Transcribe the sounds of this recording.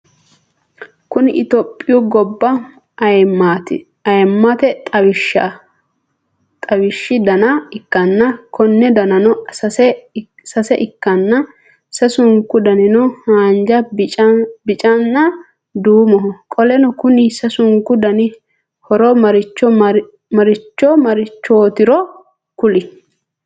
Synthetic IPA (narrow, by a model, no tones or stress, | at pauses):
kʊnɪʔɪt̪ɔpʼːɪjɔɡɔbːɐ | ɐjmːat̪ɪ̰ | ɐjmːɐt̪ɛt̪ʼɐwɪʃɐ | t̪ʼɐwɪʃːɪd̪ɐnɐɪkːɐnːɐkʰɔnːɛd̪ɐnɐnɔsɐsɛ | sɐsɛʔɪkːɐnːɐ | sɐsʊŋkːʊd̪ɐnɪnɔhaːnd͡ʒɐ | bɪt͡ʃʼɐnːɐ | d̪uːmɔɦɔkʼɔlɛnɔkʊnɪsɐsʊŋkʊd̪ɐnɪ | hɔɾɔmɐɾɪt͡ʃːɔ | mɐɾɪt͡ʃːɔmɐɾɪt͡ʃːoːt̪ɪɾɔ | kʊlɪ